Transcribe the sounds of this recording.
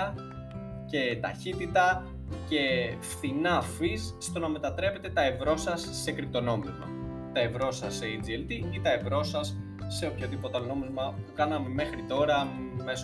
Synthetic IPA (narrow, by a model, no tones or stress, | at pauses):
ɐ | ce̞t̪ɐ̰çit̪it̪ɐ | ce̞fθinɐfisːt̪o̞nɐme̞t̪ɐt̪ɾe̞pe̞t̪e̞t̪ɐe̞vɾo̞sɐsːe̞kɾit̪o̞no̞mizmɐ̰ | t̪ɐe̞vɾo̞sɐseid͡zielt̪iit̪ɐe̞vɾo̞sɐsː | e̞opçoðipo̞t̪ɐno̞mizmɐpukɐnɐme̞me̞xɾit̪o̞ɾɐmes